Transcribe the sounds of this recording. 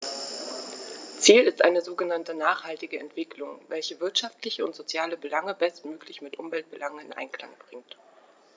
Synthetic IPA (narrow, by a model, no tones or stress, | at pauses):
t͡siːlɪstʔaɪnəzoːɡənantənaːχhaltɪɡəɛ̰ntv̥ɪklʊŋvɛlçəvɪɐtʃaftlɪçəʊntz̥ot͡sjaːləbəlaŋəbɛstmøːklɪçmɪtʔʊmvɛlt̚b̥əlʔaŋəɪnʔa̰ɪnkla̰ŋb̥ʁɪŋt